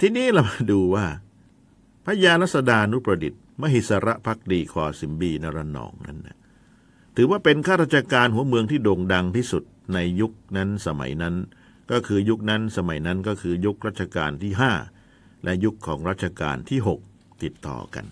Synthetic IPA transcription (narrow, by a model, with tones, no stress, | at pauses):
t̪ʰiː˥˩niː˦˥la˧˩ma˧˩duː˧waː˥˩ | pʰa˦˥jaː˧la˦˥t̪̚sa˧daː˧ʔa˧nu˦˥pɾa˧di˨˩t̪̚ma˥ə˨ɦi˨˩t̪̚sa˧ɾa˦˥ʔpʰa˦˥k̚diː˧kʰɔː˧˩si˩˦mbiː˧na˧ɾa˧nɔ̰ː˩˦ŋna̰˦˥nːa̰˧˩ | t̪ʰɯː˩˦waː˥˩pe˧nkʰaː˥˩ɾaː˥t̪̚t͡ɕʰa˧kaː˧nɦu˩˦ɐmɯ˧əŋt̪ʰiː˥˩doː˧ŋda˧ŋt̪ʰiː˥˩su˨˩t̪̚na˧jːu˦˥k̚na˦˥nsa˧ma̰˩˦jna˦˥n | kɔː˥˩kʰɯː˧ju˦˥k̚na˦˥nsa˧ma˨˩˦jna˦˥nkɔː˥˩kʰɯː˧ju˦˥k̚ɾa˦˥˩t̪̚t͡ɕa˧ka̰ː˧nt̪ʰiː˥˩ɦaː˥˩ | lʔɛ˦˥ju˦˥kʰːɔː˩˦ŋɾaː˥˩t̪̚t͡ɕʰa˧ka̰ː˧nt̪ʰiː˥˩ɦo˨˩k̚ | t̪i˨˩t̪ːɔ̰ː˨˩ka̰˧n